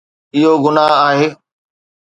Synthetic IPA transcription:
ɪɦoɡʊnaɦaːɦeː

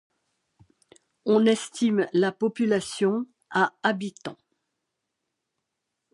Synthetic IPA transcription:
ɔ̃nɛst̪imlapɔpylasjɔ̃ | aabit̪ɑ̃

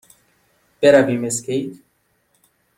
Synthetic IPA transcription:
peɾabimeskejt̪

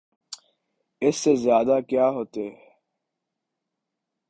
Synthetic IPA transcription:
ɪsːezjaːd̪akjaːɦoːt̪eɦɛ

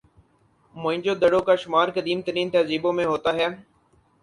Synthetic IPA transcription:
mʊ̃ɦɪ̃ɲd͡ʒoːd̪əɽoːkaːʃʊmaːɾkəd̪iːmt̪əɾiːnt̪ɐːziːbõːmẽːɦoːt̪aːɦɛː

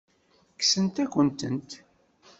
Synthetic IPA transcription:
ksənt̪ækʷːənt̪ə̰nt̪

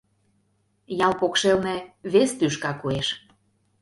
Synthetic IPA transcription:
jɑlpokʃelneβest̪yʃ̬kɑkueʃ

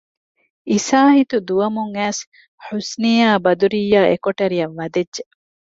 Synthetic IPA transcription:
isaːhit̪ud̪uɐmuŋæːs | ħusniːaːbɐd̪uɾijːaːʔekoʈɐɾijɐʋːɐd̪edʒe

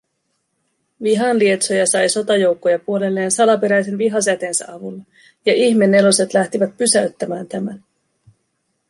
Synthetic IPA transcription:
ʋiɦɑnlie̞t̪so̞jɑsɑjso̞t̪ɑjo̞wkːo̞jɑpuo̞le̞lːe̞ːnsɑlɑpe̞ɾæjs̬e̞nʋiɦɑs̬æt̪e̞ːnsæ̰ʔɑʋulːɑ | jɑʔiçme̞nːe̞lo̞se̞t̪læht̪iʋæt̪̚pysæɥt̪ːæmæːnt̪æmæn

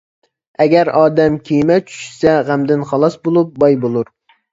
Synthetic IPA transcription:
ɛɡʲɛɾɑːd̪ɛmkʲʰijmɛt͡ʃʰy̥ʃsɛʁæmd̪ɪnχɑlˠɑsbolˠup̚bɑjbolˠuɾ

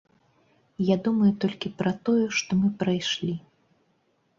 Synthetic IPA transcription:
jad̪umɐjut̪ɔlʲkʲipɾɐt̪ɔjɛʂt̪ɔmɨpɾajʂlʲi

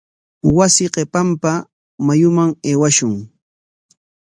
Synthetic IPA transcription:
wasɪqepampa | majʊmaŋeːwaʃʊŋ

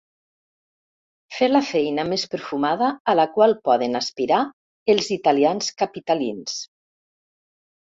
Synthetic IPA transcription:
felafɛjnəmespəɾfumaðəːlakwalˠpɔðənaspiɾa | elˠzit̪alianskapit̪alins

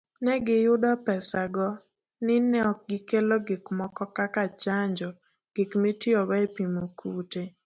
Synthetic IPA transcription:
nɛɡɪjʊdɔpɛsaɡɔ | nɪnɛɔk̚ɡɪkeloɡɪkmɔkɔkakat͡ʃaɲd͡ʒɔ | ɡ̥ɪkmetiɔɡɔepimokʰute

